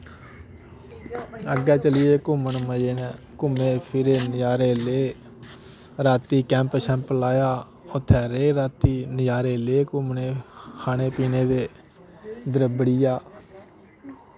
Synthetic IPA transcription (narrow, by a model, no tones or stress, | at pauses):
əɡɛːt͡ʃəlɪjeːkʊmənməd͡ʒeːnɛː | kʊmeːpʰɪɾeːnɪjaːɾeːleː | ɾaːt̪iːkɛ̃ːmpʃɛ̃ːmplaːjaː | ʊt̪ʰːɛːɾeːɾaːt̪iːnɪjaːɾeːleːkʊmneːkʰaːneːpiːneːd̪eː | d̪əɾəbəɽɪjaː